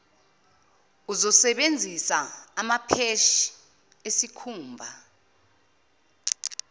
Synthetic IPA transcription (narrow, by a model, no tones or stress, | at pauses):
uzɔsɛɓend͡zʱisaːmapʰeʃ | esikʰuːmbʱa